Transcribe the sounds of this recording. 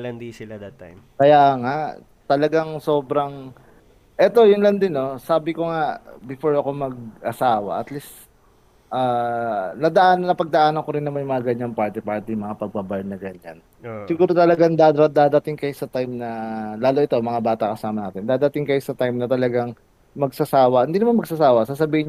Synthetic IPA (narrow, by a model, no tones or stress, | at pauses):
lɐnd̪isɪlad̪ɐt̪a | kɐjaːŋaʔ | t̪ɐlɐɡaŋso̞ːbɾɐŋ | ʔɛt̪o̞jʊŋlɐnd̪ɪno̞saːbɪkoŋaʔbɪfo̞ɹɐko̞mɐɡ̚ʔɐsaːwɐ̰ʔɐt̪list̪ | ʔaːnɐd̪ɐʔaːnɐnɐpɐɡ̚d̪ɐʔaːnɐkoɾɪnːɐmanjʊŋmɐŋaɡɐɲaŋpaɹt̪ɪpaɹt̪ijmɐŋapɐɡ̚babajnɐɡɐɲa̰n | sɪɡuːɾo̞t̪ɐlɐɡaŋd̪ad̪ad̪aːd̪ɐt̪ɪŋkɐjosɐt̪ajmnɐlaːloʔɪt̪o̞mɐŋabaːt̪ɐkɐsaːmɐnaːt̪ɪnd̪aːd̪ɐt̪ɪŋkɐjosɐt̪ajmnɐt̪ɐlɐɡaŋ | mɐɡ̚sɐsaːwɐhɪnd̪iːnɐmanmɐɡ̚sasaːwɐsaːs̬ɐbiːɪɲ